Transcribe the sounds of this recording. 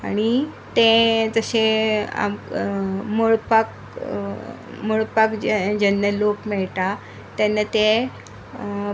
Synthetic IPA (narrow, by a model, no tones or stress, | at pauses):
aɽ̃i | t̪ẽd͡zəsea̰m | moɭpak | moɭpakd͡ʑd͡ʑənːəlopmɛɭt̪a | t̪enːət̪e